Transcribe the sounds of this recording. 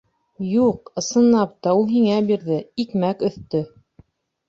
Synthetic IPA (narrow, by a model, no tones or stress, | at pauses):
juqɤ̆sɤ̆nlːɑp̚t̪ɑulˠɦiŋæbiɾðɘikmækɵ̆θt̪ɵ